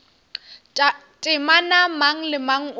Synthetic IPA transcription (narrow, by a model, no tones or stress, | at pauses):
tʼɪmanamaŋ̩lɪmaŋ̩